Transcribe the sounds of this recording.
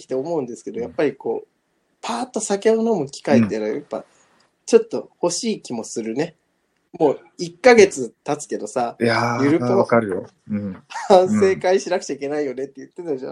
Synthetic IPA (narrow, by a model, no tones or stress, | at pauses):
kʲi̥t̪e̞o̞mo̞ɯ̟̃nd̪e̞sɨ̥ke̞d̪o̞japːaɾʲiko̞̰ː | pʰaːt̪ːo̞sake̞onomokʲi̥kaet̪ːeɾajapːa̰ | t͡ɕo̞t̪ːo̞ho̞ɕiːkʲimo̞sɨɾɯ̟ne̞ | mo̞ː | ikːaɡe̞t͡sɨt̪at͡sɨ̥ke̞d̪o̞saajɯɾɯ̟poakaɾɯ̟jõ | hãɰ̃se̞ːkaiɕinakɯ̟̥t͡ɕaike̞naijo̞ne̞t̪ːe̞jɯ̟t̪ːet̪aʑa̰